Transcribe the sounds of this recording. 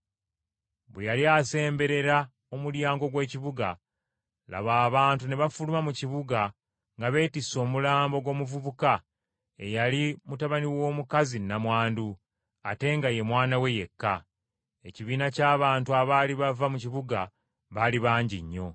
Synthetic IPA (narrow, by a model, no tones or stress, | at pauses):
βwejaliase̞ːmbe̞ɾe̞ɾa | o̞muɾjaːŋɡo̞ɡwe̞ːciβuɡa | la̰βaːβaːntuneβafulumamuciβuɡa | ŋɡaβe̞ːtiso̞ːmulaːmbo̞ɡwo̞ːmuvuβuka | e̞̰jalimutaβaniwo̞ːmukazinamwaːndu | ate̞ŋɡaje̞mwaːnawe̞je̞kːa | e̞ciβiːnacaːβaːntuaβaːliβavamuciβuɡa | βaliβaːɲɟiɲːo̞